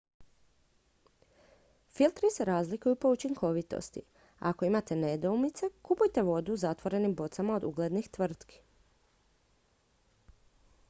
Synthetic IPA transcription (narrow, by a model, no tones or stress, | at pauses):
filˠt̪ɾise̞ɾaːzlikujupo̞ut͡ʃiŋkʰo̞ʋit̪o̞̰st̪ḭ | ako̞imat̪e̞ned̪oumit̪se̞kupujt̪e̞ʋo̞d̪uzat̪ʋo̞ɾe̞nimbo̞t̪samaod̪uɡle̞d̪nixt̪ʋr̩t̪ki̥